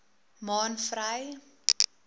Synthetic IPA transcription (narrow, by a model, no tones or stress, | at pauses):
mɑːnfraj